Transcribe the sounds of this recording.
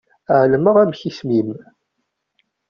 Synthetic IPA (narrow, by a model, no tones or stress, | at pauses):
ʕləməʁæmçismim